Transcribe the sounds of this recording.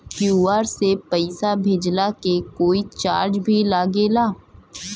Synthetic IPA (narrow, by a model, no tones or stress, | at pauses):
kjuːaːɾsepəɪsabʱed͡ʒlakekoːit͡ʃa̰ːɾd͡ʒbʱilaːɡeːlaː